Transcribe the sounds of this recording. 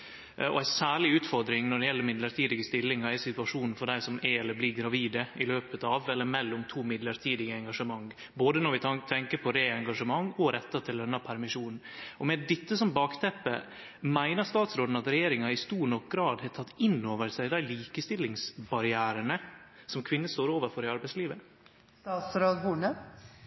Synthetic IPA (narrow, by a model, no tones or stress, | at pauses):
ɔ̰æɪsæːɭɪʉːt̪fɔɾd̪ɾɪŋnɔɖɛjɛlːəmɪd̪ləɾt̪ʰiːd̪ɪɡəst̪ɪlːɪŋɑɛsɪt̪ʉɑʂuːnn̩fɔɖæɪsɔmɛɛlːəbliɡɾɑʋiːd̪əɪløːpət̪ɑʋɛlːəɾmɛlːʊmt̪ʰuːmɪd̪ləɾt̪ʰiːd̪ɪɡəɛŋɡɑʂəmɑŋː | boːd̪ənɔɾʋɪt̪ʰɛŋkəɾpʰɔɾeːɛŋɡɑʂəmɑŋːɔɾɛt̪ːɑt̪ʰɪld̪ɛnːɑpʰæɾmɪʂuːnn̩ʔɔmɛd̪ɪt̪ːəsɔmbɑːkt̪ʰɛpːə̰ | mæɪnəɾst̪ɑːt̪sɾoːd̪n̩ɑt̪ɾɛjeːɾɪŋɑɪst̪uːɾɳɔk̚ɡɾɑːd̪hɛt̪ʰɑt̪ːɪnːoːʋəɾsæɪd̪æɪliːkəst̪ɪlːɪŋsbɑɾɪæːɾənəsɔmkʰʋɪnːəst̪oːɾoːʋəɾfɔɾɪɑɾbæɪsliːʋə | t̪ɑːt̪sɾoːd̪huːɳə